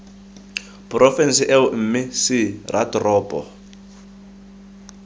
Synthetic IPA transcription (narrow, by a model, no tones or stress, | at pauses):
pʼrɔfɛnsɪʔɛʊm̩ːmɪsɪrʔa̰tʼrɔːpʼɔ̰